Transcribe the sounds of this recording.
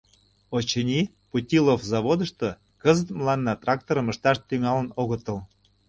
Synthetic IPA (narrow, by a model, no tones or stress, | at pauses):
ot͡ɕənʲi | putʲilofzɑβod̪əʃt̪ɤ̆ | kəzət̪mlɑnːɑt̪rɑk̚t̪oɾəməʃt̪ɑʃt̪yŋɑlənoɣə̆t̪ə̆l